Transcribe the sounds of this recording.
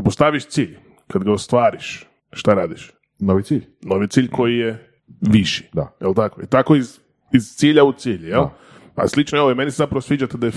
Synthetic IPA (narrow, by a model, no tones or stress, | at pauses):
post̪aʋiʃt̪siːʎ | kad̪ɡaost̪ʋaːɾiʃ | ʃt̪aɾaːd̪iʃ | noʋit̪siːʎnoʋit̪iːʎʲko̞jije | ʋiʃi̥d̪a̰jelt̪akoḭt̪akoiz | iz̥t̪siːʎaut̪siːʎjel | a̰slˠit͡ʃnoeʋoimenisezapɾaʋosʋiːd͡ʒat̪ed̪aje